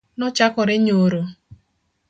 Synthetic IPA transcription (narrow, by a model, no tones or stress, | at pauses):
nʊt͡ʃakɔɾɪɲoɾo